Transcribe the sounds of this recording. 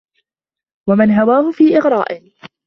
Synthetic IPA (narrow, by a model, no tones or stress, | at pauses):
wamanɦawaːhʊfiːʔɪɣɾˤɑ̰ːʔɪ